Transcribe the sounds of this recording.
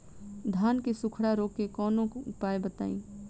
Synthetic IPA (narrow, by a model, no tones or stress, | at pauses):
d̪ʱaːnkesʊkʰɽaɾoːkːekɔːnõkʊpaːebət̪a̰ːḭ̃ː